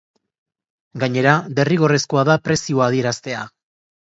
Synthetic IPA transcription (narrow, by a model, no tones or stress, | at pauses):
ɡaɲe̞ɾade̞riɣ̞o̞reskoaðapɾe̞sioaðie̞ɾast̪e̞a